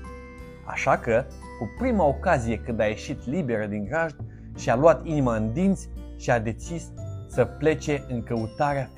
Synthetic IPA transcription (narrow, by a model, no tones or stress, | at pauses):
a̰ʃakə | kupɾimao̞kazije̞kɨnd̪aje̞ʃit̪libe̞ɾəd̪iŋɡɾaʒd̪ | ʃialuat̪inimaɨnd̪int̪sʲʃiad̪e̞t͡ʃisːəple̞t͡ʃe̞ʔɨŋkəut̪aɾea